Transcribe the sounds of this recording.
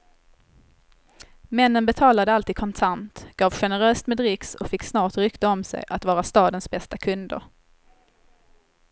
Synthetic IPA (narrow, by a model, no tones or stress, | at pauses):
mɛnːənbɛt̪ʰɑːlad̪əalt̪iːd̪̚kʰɔnt̪ʰant̪ɡ̥ɑːvɧɛnəɾøːst̪meːd̪ɾɪksɔ̰kfɪkːsnɑːʈɾʏkt̪aɔmsɛ̰jʔa̰t̪vɑːɾast̪ɑːd̪ənsbɛst̪akʰɵnd̪ə̰ɾ